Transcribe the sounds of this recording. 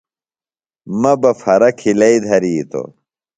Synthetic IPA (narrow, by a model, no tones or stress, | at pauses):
mɐbɐfɐɾɐkʰilɐid̪ʱɐɾiːt̪ʰo̰